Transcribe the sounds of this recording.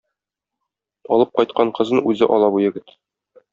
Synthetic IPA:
ɒlˠɤp̚qɒjt̪̚qɑɴqɤ̆zɤnʉzɘʔɒlˠɑbujɘ̆ɡɘt̪

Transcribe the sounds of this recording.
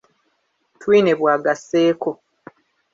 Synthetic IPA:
twiːne̞βwaːɡasːeːko̞

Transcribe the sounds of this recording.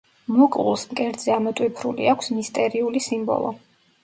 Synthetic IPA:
mukʼṵlˠsmkʼɛɾd̪zɛamɛt̪ʼwipʰɾulḭakʷʰsmist̪ʼɛɾiulisimbɔ̰lˠɔ̰

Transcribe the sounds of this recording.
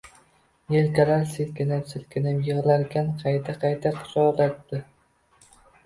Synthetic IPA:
jelkʲalaɾselkʲɪnɪmsɪlkʲʰɪnɪmjɨʁlaɾɡʲanqʰɑjt̪ʰaqʰɑjt̪ʰaqʰʊ̥sɒlat̪ːɪ

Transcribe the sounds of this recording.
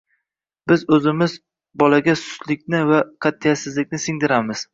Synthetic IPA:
bɪzɵzɪmɪz | bɒlaɡʲasʊ̥slɪk̚ʲnɪvaqʰɑt̪ʰːijasɪzlɪkʲnɪsɪŋd̪ɪɾamɪz̥

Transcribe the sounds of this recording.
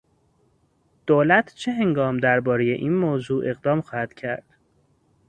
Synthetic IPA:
d̪̥oːlæt̪ʰt͡ʃʰeɦeŋɡɒːmd̪æɾbɒːɾejḛʔiːnmoːzuːʔe̞ɣd̪ɒːmxɒːhæd̪̥cʰæɾd̪̥

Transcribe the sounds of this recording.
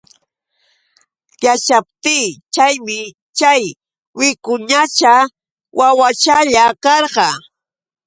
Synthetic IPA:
jat͡ʃap̚t̪ɪːt͡ʃajmɪ | t͡ʃaj | wɪkʊɲat͡ʃa | wʔawat͡ʃaʎakɑɾqɑ

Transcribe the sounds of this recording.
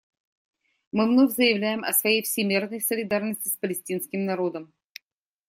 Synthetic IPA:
mɨvnovʲzəjɪvlʲæjɪmɐ̰svɐjejfsʲɪmʲirnəjsəlʲɪd̪arnəsʲtʲɪspəlʲɪsʲtʲinskʲɪmnɐɾo̞d̪əm

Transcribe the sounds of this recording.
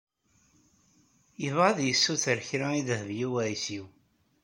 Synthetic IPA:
jəvʁəðjəsːuθəɾçɾæiðəhvjiwæjsiw

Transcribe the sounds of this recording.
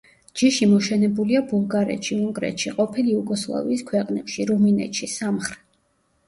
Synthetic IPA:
d͡ʒiʃimɔʃɛnɛbuliabulˠɡaɾɛ̰t̪ʃiuŋɡɾɛ̰t̪ʃiqʼɔpʰiliuɡɔslˠa̰viːskʰwɛqʼnɛpʃiɾuminɛ̰t̪ʃisamχɾɛ̥t̪

